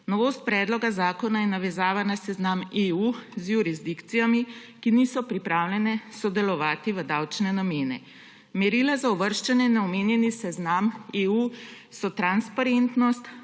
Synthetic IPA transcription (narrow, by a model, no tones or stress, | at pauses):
nɔʋoːst̪̚pɾɛːd̪lɔɡazaːkɔnajɛnaʋɛzaːʋanasɛznameuzjuɾizd̪ikt̪sijami | kinisɔpɾipɾaːwlʲɛnɛsɔd̪ɛlɔʋaːt̪iʋəd̪awt͡ʃnɛnameːnɛ̰ | mɛɾilazaɔʋəɾʃt͡ʃɛnɛnɛɔmeːnjɛnisɛznameu | sɔt̪ɾanspaɾent̪nɔst̪